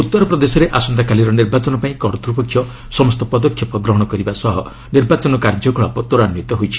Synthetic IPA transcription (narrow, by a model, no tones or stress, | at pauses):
ut̪ːɔɾɔpɾɔd̪esɔɾeʔasɔnd̪akaliɾɔniɾbat͡ʃɔnɔpaĩkɔɾt̪ɾupɔkʰːjɔ | sɔmɔst̪ɔpɔd̪ɔkʰjɔpɔɡɾɔɦɔɽ̃ɔkɔɾibasɔɦɔ | niɾbat͡ʃɔnɔkaɾd͡ʒɔɡɔɭapɔt̪oɾanmit̪ɔɦojt͡ʃʰi̥